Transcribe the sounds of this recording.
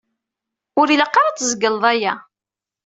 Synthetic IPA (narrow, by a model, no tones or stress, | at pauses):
ʊɾiləqːɑɾˤɑt͡sːzəɡəlðˤæjæ